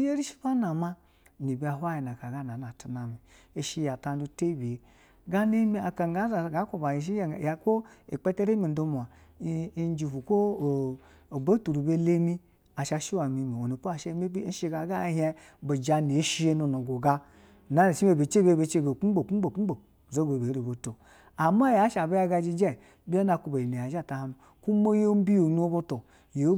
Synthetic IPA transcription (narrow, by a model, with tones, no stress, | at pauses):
i˦je˦ɾi˦ʃi̥˦ba˦na˨ma˦˨ | ni˨bi˨˦a˨ɦʷa˦ji˨na˨ka˨ɡa˦na˨na˨tu˨na˨mi˨ | e˨ʃi˦˧ja˨ta˧n˦du˧te˦bi˨e˨ | ɡa˦ne˦mi˦a˨ka˨ŋ˦ɡa˨˦za˨ɡa˨˦kʷo˨ba˨ji˨ʃ̬i˦˨ja˨ko˦i˨k͡pe˦te˦ɾe˦mi˨n̩˨do˧mu˨a˨˦ | d͡ʒi˨vu˨ko˦˨ | o˨bo˦tu˨ɾu˨be˧le˦mi˦ | a˨ʃa˧ʃi˦wa˨mi˧mi˨o˨nu˨po˦a˨ʃe˦me˦bi˦n̩˦ʃi˦ɡa˨˦ɡa˦ɦe˧ | bo˨d͡ʒa˧ni˨˦ʃi˦je˦no˨no˨ɡo˨ɡa˧˨ | na˨˦ne˨ʃi˦e˨be˨t͡ʃe˦be˦be˨˦t͡ʃe˦˨be˨k͡pu˦bo˨k͡pu˦bo˨k͡pu˦o˨ | zo˦be˨bi˦ɾi˨bo˨to˨ | a˨ma˦ja˨˦ʃa˨be˦a˧˦ɡa˧d͡ʒi˧d͡ʒɛ˦˨ | bi˦a˦na˧ku˧ba˨i˨ne˨a˨d͡ʒa˦˨ta˨ha˨˦nu˨ | ku˦mo˦jo˦m̩˦bi˦jo˨nu˦o˦bo˧to˨ | je˨˦